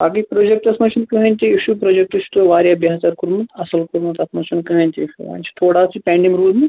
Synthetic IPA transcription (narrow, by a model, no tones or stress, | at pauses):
baːkipɾod͡ʒek̚ʈɐsmɐt͡ʃʰunkɐɦɐnʲt̪iiʃupɾod͡ʒek̚ʈut͡ʃʰu̥t̪oʋaːɾjabjaːɦt͡ʃaɾkuɾmɐt̪ɐsɐlkuɾmɐt̪ɐsmɐt͡ʃʰunkɐɦɐnʲt̪iʋa̰ːnʲt͡ʃʰi̥t̪ʰoːɽasʰipʲɛ̃ːɳɖimɾuːlme